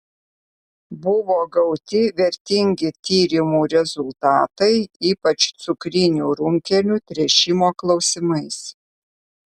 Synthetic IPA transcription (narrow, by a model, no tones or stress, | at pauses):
bʊʋoːɡɐʊt̪ʲɪʋʲɛɾʲt̪ʲɪŋʲɡʲɪt̪ʲiːɾʲɪmuːɾʲɛzʊlˠt̪ɑːt̪ɐɪiːpɐt͡ʃt̪sʊkɾʲɪnʲuːɾʊŋʲkʲɛlʲut̪ʲɾʲɛʃʲɪmoːklˠɒʊsʲɪmɐɪs